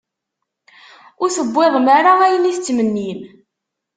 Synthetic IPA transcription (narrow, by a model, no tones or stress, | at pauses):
ʊɾθəbʷːeðˤmaɾaæjəniθt͡sːmənːim